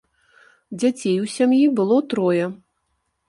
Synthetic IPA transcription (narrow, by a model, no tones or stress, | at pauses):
d͡zʲat͡sʲejusʲamjibɨlˠɔt̪ɾɔjɐ